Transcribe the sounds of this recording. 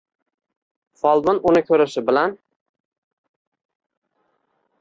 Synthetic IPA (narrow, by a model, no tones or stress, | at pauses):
fɒlˠbɪnʊnɪkʲʰɵɾɪʃɪbɪlan